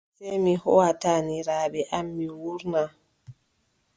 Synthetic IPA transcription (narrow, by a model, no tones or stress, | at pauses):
semihɔwataniɾaːbɛʔamːiwuɾna